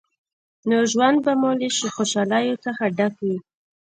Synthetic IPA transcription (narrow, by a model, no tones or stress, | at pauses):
noʒwand̪̚bamoleʃixoʃɑlajot͡səxaɖakwi